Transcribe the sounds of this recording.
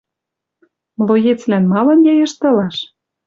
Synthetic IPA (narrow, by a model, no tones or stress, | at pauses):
mlˠojet͡slænmɑlɑnjɑjɤʃt̪ɤ̆lɑʃ